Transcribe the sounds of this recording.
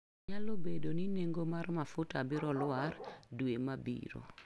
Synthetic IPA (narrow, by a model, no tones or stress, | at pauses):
ɲalobedonineŋɡomarmafʊtabiɾɔlʊardwemabḭɾo̰